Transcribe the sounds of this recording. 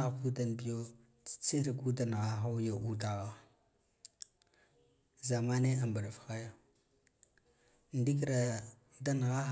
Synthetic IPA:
ɣa˨ku˦da˨n˨bi˦jo˦ | t͡si̥˨t͡se˦ɾɡu˦da˨n˨ɣa˦xa˦ja˨ʔu˦da˨ɣa˦ | za˨ma˦ne˦a˨mba˨ɾa˨fxa˦ja˦˨ | n˨di˦kɾa˨ | da˦n˨ɣa˦

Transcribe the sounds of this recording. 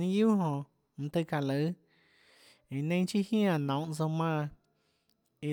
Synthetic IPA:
nĩ˦juː˦ɦõ˧˨ | ñ̩˧t̪ɨ˧ka˧˨lə˨˦ | ĩ˨nẽ˦˧j̃t͡ʃi˦hj̃ã˧˨nɔ̃˨˦ʔt͡so˧mãː˦˧ | i˧

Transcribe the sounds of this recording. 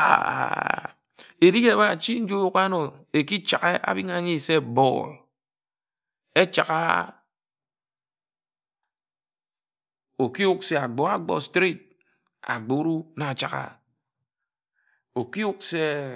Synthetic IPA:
a̰˨ | e˨ɾi˦ke˦˨ba˦˨t͡ʃi˦n̩˦d͡ʒo˦u˦ka˦no˨e˨ki˦t͡ʃa˨ke˦ʔa̰˦bi˦ŋa˦˨˦ɲi˦˨se˦bɔ̰˦˨l | e˦t͡ʃa˨ka̰˦ | o˨ki˦u˦kse˦a˨ɡ͡bɔ˨a˦ɡ͡bɔ̰˦stɾi˦t̚ | a̰˨ɡ͡bo˨˦ɾu˦na˨t͡ʃa˨ɣa̰˨ | o˨ki˦u˦k̚se˦

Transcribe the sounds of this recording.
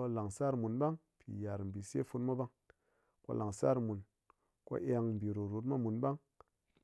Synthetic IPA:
la˨ŋsa˦ɾmu˨nɓa˦ŋ | pʰḭ˨ja˨ɾm˨bi˨sḛ˦fu˧tma˦ba˦ŋ | ko̰˦la˨ŋsa̰˦ɾmu˨n | ko̰˦ʔe˧ŋm˨bi˨ɾo˨ɾu˨t̬ma˦mu˨nɓa˦ŋ

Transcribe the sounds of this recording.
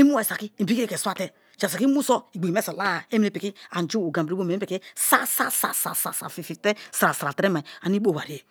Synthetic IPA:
i˦mu˦a˨sa˨ki˦˨bi˦i˦e˦ke˨sʷa˦te˦ | t͡ʃa˨sa˨ki˦mu˦so˦i˨ɡ͡bi˨me˦se˨la˦˨e˦mi˦ɾe˨pi˨ki˦a˨n˨d͡ʒu˦o˨ɡa˨bɾi˦o˦me˨˦pi˨ki˦sa˦sa˦sa̰˨sa̰˨sa̰˨sa̰˨fi˨fi˨te˦sɾa˨sa˨ɾa˨tɾe˦ma˨i˨a˨ni˦bo˦˨wa˨ɾi˨e˨

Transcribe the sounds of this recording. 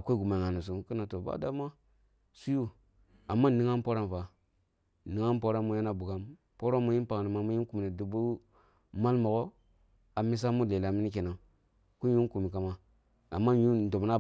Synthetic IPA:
a˨ko˦i˦ɡu˨ma˨ŋa˨nu˨s̬u˨ki˦na˨to˨ba̰˦da˦ma˦ | su˦ju˦ | a˨mːa˦˨ni˦ŋa˦n˦po˦ɾa˦n˨fa˨ | ni˨ŋa˦npo˦ɾa˦mu˦ja˦na˦bu˨ɡa˦m | po˦ɾo˦mu˦ji˦n˦pa˨ni˨ma˨mu˦ji˦ku˨mi˨ni˨du˨bu˦ | ma˦lmo˨ɡo˦ | a˨mi˦s̬a˦mu˦le˨la˨mi˦ni˦k̬e˨na˨ | ku˦nju˦ku˨mi˨ka˨ma˦ | a̰˨mːa˦ju˦˨do˨bna˦

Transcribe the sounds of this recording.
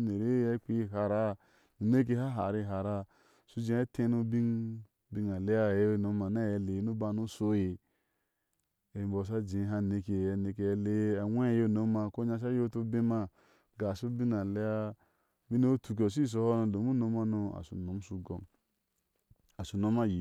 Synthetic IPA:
ne˨ɾe˦je˦k͡pi˦ji˦ɦa˨ɾa˦˨ | nu˨ne˦k̬e˧ɦa˦ɦa˨ɾi˦ɦa˨ɾa˦ | su˦d͡ʒe˦e˦tẽ˦nu˦bi˦ŋ | bi˦na˨le˦ja˦˨je˦no˦ma˨na˦je˨le˨˦nu˦ba˧nu˦so˦je˨ | e˨mbo˨s̬a˦d͡ʒẽ˨˦ɦa˦ne˨ke˨a˨ne˨k̬e˨e˦le˦a˨wʷe˦jo˦˨no˦ma˨ko˦ɲa˧ʃ̬a˦jo˦to˦bẽ˦ma˦ | ɡa˨su˦bi˦na˨le˦ja˦ | bi˦ne˦o˦tu˨k̬ʲo˨s̬i˦˨s̬o˧ho˦no˧do˨mu˦no˧ma˦no˧a̰˨sṵ˨no˨˦m˦su˦ɡo̰˨˦n | a˨su˨no˦ma˦ji˨

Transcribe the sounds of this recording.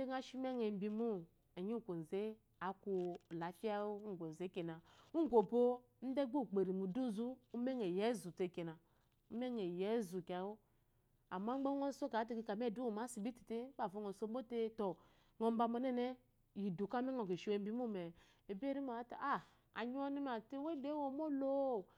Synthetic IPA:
e˦ŋa˦ʃi˦me˦ŋe˨m̩˦bi˨mu˦ | e˨ɲi˦˨ko˨n̩˨ze˦ | a˨ku˨la˨˦fi˦a˦wo˦ŋ̩˨ɡʷo˨n˨ze˨˦ke˨na˨u˦ŋ˦ɡo˨bo˦ | n̩˦de˦ɡ͡bo˦˨k͡pe˨ɾi˨mu˨du˦zu˦u˦me˦ŋe˨je˦zu˨te˨ke˨na˨ | u˦me˦ŋe˨je˦zu˨ka˨wo˦ | a˨ma˦ɡ͡be˦ŋo˦so˦ka˨˦ti˦˨ki˦ka˨m˦e˦˨du˦wo˨ma˨˦si˨bi˦ti̥˨te˦ba˨vo˦ŋo˨so˦bo˦te˦tɔ˨ | ŋo˨m̩˦ba˨mo˨nɛ˦ne˦ | ji˨du˨ka˦me˦ŋo˨ke˨ʃi˦we˨˦m˦bi˦mu˦˨mɛ˨ | e˨be˦ɾi˦ma˨˦ta˨a˦˨ | a̰˨ɲ˦o˦ni˦ma˨te˦we˦de˦wo˨mo˦lo˦˨

